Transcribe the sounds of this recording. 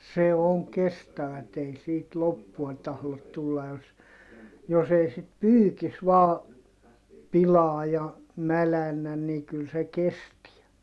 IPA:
se oŋ kestæʋæt ei siːt lopːuɑ tɑhlot tulːɑ jos jos ei sit pyːkis ʋɑː pilɑː jɑ mælænːæn ni kyl se kestiæ

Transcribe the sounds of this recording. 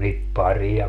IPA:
niːt pɑri jɑ

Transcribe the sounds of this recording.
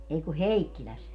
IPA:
ei ku heikːilæs

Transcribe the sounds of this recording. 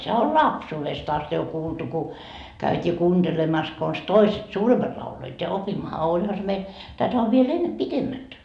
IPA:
sehæ ol lɑpsuːʋest ɑst jo kuːltu ku kæytʲiː kuːnd̥elemɑs kons toiset suːremːɑt lɑuloit jɑ opimːɑhɑ olʲhɑ se meil tætæ oʋ ʋiel enːe pitemːæt

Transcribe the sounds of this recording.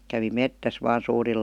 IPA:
kæʋi metːæs ʋɑːn suːril

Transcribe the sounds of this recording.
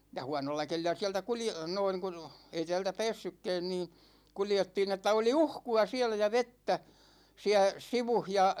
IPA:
jɑ huɑnolːɑ kelilˑæ siæltæ kulje noiŋ ku ei tæ̝ːltæ pæ̝ːsːykːæ̝ːn niː kuljetːiːn etːæ oli uhkuɑ siælæ jɑ ʋetːæ siæ siʋuh jɑ

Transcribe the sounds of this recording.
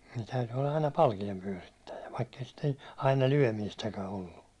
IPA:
niː tæyty olːɑ ɑinɑ pɑlkiempyæ̹ritːæjæ ʋɑikː ei sitːe̥n̥ ɑinɑ lyæ̹miːstækæ olːu

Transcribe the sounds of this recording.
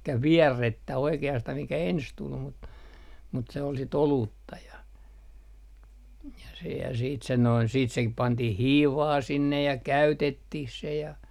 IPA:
elikːæ ʋiærːetːæ oikeɑstɑh mikæ ens tul mut mut se ol sit oluːtːɑ jɑ jɑ sehæː siːt sen noin siːt se pɑntih hiːʋɑː sinːej jɑ kæytetːih se jɑ

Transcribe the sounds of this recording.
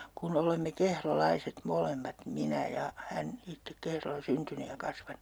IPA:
kun olemːe kehrolɑiset molemːɑt minæ jɑ hæn itːek kehrolːɑ syntyny jɑ kɑsʋɑnu

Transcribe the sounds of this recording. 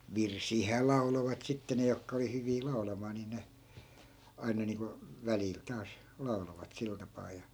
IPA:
ʋirsiːhæː lɑu̞loʋɑt sitːe ne jokːɑ oli hyʋiː lɑu̞lɑmɑː ni ne ɑinɑ niːŋko ʋælil tɑːs lɑu̞loʋɑt sil tɑpɑː jɑ

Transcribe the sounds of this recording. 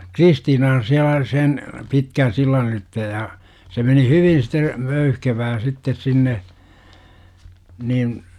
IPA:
kristiːnɑn siælæ sen pitkæn silːɑn ylitːe jɑ se meni hyʋin site møyhkeʋæː sitːes sinːe nin

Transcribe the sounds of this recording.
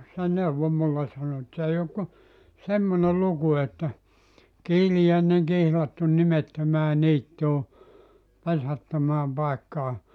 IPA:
se neuʋo mulːe sɑno et s ei ok ku semːone luku etːæ kiːlijæˑeneŋ kihlɑtːun nimetːømæː niːtːuː pesætːømæːm pɑekːɑː

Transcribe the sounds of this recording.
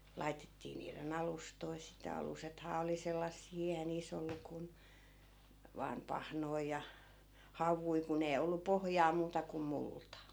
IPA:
lɑitetːiː niːren ɑlustoi sitæ ɑlusethɑː oli selːɑsːiː eihæ niːs olːu kun ʋɑːm pɑhnoij jɑ hɑʋˑui kun ei olːu pohŏjɑː muːtɑ kum multɑ

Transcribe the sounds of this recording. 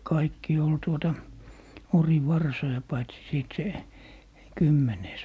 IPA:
kɑikːi ol tuotɑ oriʋɑrsojɑ pɑitsi siˑt se kymːeneːs

